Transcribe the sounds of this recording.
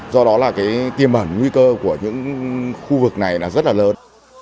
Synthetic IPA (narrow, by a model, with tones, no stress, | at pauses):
zɔ˧ɗɔ˨˦laː˨˩kaː˨˦jt̪i˧˩əmʔəː˧˩nŋwi˧kəː˧ku˧˩əɲɨ̰˧˥ŋxu˧vɨ˨˩k̚na˨˩jlaː˨˩zə˦˥laː˨˩ləː˨˦